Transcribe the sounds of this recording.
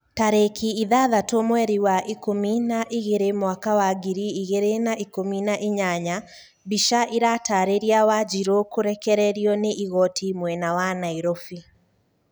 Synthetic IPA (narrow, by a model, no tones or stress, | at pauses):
taɾekʰiiðaðatomwɛɾiwaʔikominaʔiɣeɾemwakawaɡiɾiiɣeɾenaʔikominaʔiɲaɲa | biʃaʔiɾataɾeɾiawad͡ʒiɾokoɾɛkɛɾɛɾiɔneʔiɣɔtʰimwɛnawanaiɾofi